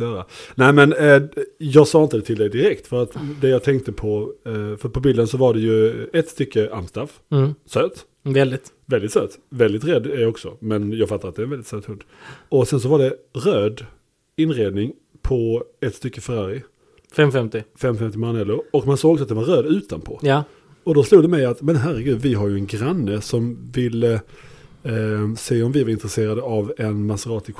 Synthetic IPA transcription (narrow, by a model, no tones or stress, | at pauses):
jœːɾanæɪmɛn | jɑːɡsɑːɪnt̪əd̪ɛt̪ʰɪld̪ɛɪjd̪ɪɾɛkt̪fœɾat̪d̪ɛjɑːɡt̪ʰɛŋkt̪əpʰɔfœɾpʰɔbiːlənsɔvaɖɛjɵɛt̪ːst̪ʏkːəʔa̰mst̪af | søːt̪ | vɛld̪ɪt̪vɛld̪ɪt̪sø̰ːt̪vɛld̪ɪt̪ɾɛd̪ːæɾjɔksɔmɛnjɑːɡfat̪ːaɾat̪̚d̪ɛːɾnvɛldɪt̪søːt̪hɵnd̪ɔsɛns̬ɔvaɖɛɾøːd̪ | ɪnɾeːd̪nɪŋ | pʰɔɛt̪st̪ʏkːəfɛɾɑɾɪ | fɛmfɛmt̪ɪfɛmfɛmt̪ɪmaɾanɛlːʊɔkmansoːɡɔɡs̬at̪̚d̪ɛvaɾøːd̪ʉ̟ːt̪a̰npʰo̰ːja | ɔd̪ɔsluːd̪ɛmɛjat̪mɛnɦæɾːəɡʉ̟ːd̪vɪɦaɾjɵɛnɡɾanːəsɔmvɪlːə | seːɔmvɪvaɾɪnt̪ɾɛseːɾad̪əavɛnmasəɾɑːt̪ɪk